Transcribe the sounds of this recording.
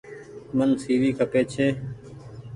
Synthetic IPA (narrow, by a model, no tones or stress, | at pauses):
mənsiːʋiːkʰəpeːt͡ʃʰeː